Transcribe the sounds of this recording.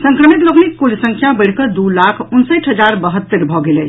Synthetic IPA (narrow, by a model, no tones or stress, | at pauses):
səŋkɾəmit̪loɡnik̪kolsə̃ŋkʰjabəjɽ̤kəd̪ulakʰunsəjʈɦəd͡ʒaɾbəɦət̪ːəɾbʱɔɡelɛ